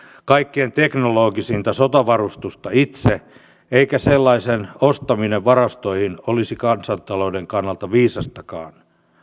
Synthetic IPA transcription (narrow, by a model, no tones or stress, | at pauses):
kɑikːient̪eknoloːɡisint̪ɑsot̪ɑʋɑrust̪ust̪ɑit̪se | eikæselːɑisenost̪ɑmineʋʋɑrɑst̪oihinolisikɑnsɑnt̪ɑloudeŋkɑnːɑlt̪ɑʋiːsɑst̪ɑkɑ̰ːn